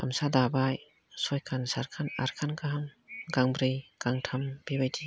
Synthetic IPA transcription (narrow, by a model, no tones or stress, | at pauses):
ʔa̰msadabaj | sɔjkʰansaɾkʰanaɾkʰankʰaɦaŋɡaŋbɾijɡ̥aŋtʰamb̥ibajdi